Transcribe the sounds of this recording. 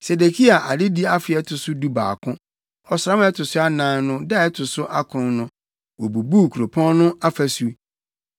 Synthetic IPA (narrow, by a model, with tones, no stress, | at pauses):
se˨de˨kʰi˦a˨ʔa˨dɪ˦di˦a˦fɪ˨ɛ˦tʰʊ˨sʊ˦du˦ba̰ː˨kʰʊ̃˦ | ɔ˨sã˦m˦ɛ˦tʰʊ˨sʊ˦a˦nã˦nnʊ̃˦dɛ˦˨ɛ˦tʰʊ˨sʊ˦ʔa˦kʰʊ̃˨˦nʊ̃˦ | wo˨bu˨bu˦˨kʰu˨ɾo˨pʰɔ̃˦nnʊ̃˦a˦fæ˦su˦